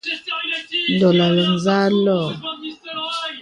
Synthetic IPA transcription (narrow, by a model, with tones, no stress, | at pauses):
n˨dɔ˨la˨lə˨n˦za˦lɔ˦˨